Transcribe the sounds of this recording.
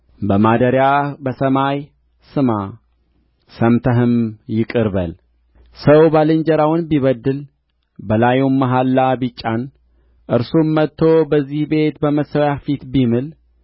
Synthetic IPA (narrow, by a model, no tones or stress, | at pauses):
bəmad̪əɾjabəsəmaj | sɨma | səmt̪ʰəɦɨmjɪkʼɨɾbəl | səwbalɨɲd͡ʒəɾawnbiβəd̪ːɨl | bəlajumːaɦalːabit͡ʃʼːan | ʔɨɾsumːət̪ʰːo̞bəzːihbe̞t̪bəməsəwjafit̪bimɨl